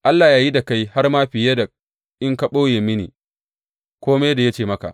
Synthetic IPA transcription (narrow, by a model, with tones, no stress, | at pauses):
ʔa˦lːaː˨jaː˦ji˦da˨ka˦jha˦rmaː˦ɸɪ˨je˦da˨ | ʔɪ˦ŋka˨ɓoː˦jeː˨mɪ˦nḭː˨ | kʷoː˦me˦da˨ja˦t͡ʃeː˨mɐ˦ka̰˨ʔ